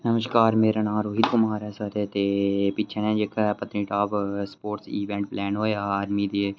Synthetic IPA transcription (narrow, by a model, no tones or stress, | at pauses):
nəməʃkaːɾmeːɾaːnãːɾoːɦit̪kʊmaːɾɛːsət̪eːt̪eːpɪːt͡ʃʰʃʰeːnẽːd͡ʒeːkʰpət̪nĩːʈaːbspoːʈsiːʋɛ̃ːɳʈ̚plɛːnɦoːaːaːɾmiːd̪iː